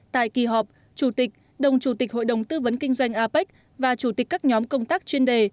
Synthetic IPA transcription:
t̪a̰ː˧˨jki˨˩ɦɔ˨˩p̚ | t͡ɕu˧˩t̪ï˨˩k̟̚ | ɗə˨˩wŋ͡mt͡ɕu˧˩t̪ï˨˩k̟̚ɦo̰˧˨jɗə˨˩wŋ͡mt̪ɨ˧və˨˦nkï˧ŋ̟zwa˧jŋ̟ʔaː˧pa˦˥jk̟̚ | vaː˨˩t͡ɕu˧˩t̪i˨˩k̚kːaː˦˥k̚ɲɔ˨˦mkə˧wŋ͡mt̪aː˦˥k̚t͡ɕwi˧ənɗe˨˩

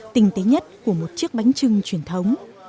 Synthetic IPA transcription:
t̪ï˨˩ŋ̟t̪e˨˦ɲə˦˥t̚ku˧˩əmo˨˩t̚t͡ɕi˦˥ək̚ɓa˨˦jŋ̟t͡ɕɨ˧ŋt͡ɕwi˧˩ənt̪ʰə˨˦wŋ͡m

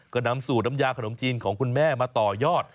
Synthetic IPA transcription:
kɔ˧˩na˧msuː˨˩na˧mjaː˧kʰa˧no˩˦mt̪ʰiː˧nkʰɔː˩˦ŋkʰu˧nmɛː˥˩maː˧t̪ɔː˨˩jɔː˥˩t̪̚

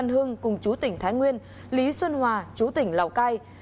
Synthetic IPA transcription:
nɦɨ˧əŋkʊ˨˩ŋ͡mt͡ɕu˨˦t̪ï˨˧˩ŋ̟t̪ʰaː˨˦jŋwi˧ən | li˨˦swə˧nhwaː˨˩t͡ɕu˨˦t̪ï˧˩ŋ̟la̰˨˩wkaː˧j

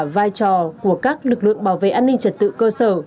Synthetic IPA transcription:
vaː˧jt͡ɕɔ˨˩ku˧˩əkaː˦˥k̚lɨ˨˩k̚lɨ̰˧˨əŋɓaː˧˩wvḛ˧˨ʔaː˧nï˧ŋ̟t͡ɕə˨˩t̚t̪ɨ̰˧˨kəː˧səː˧˩

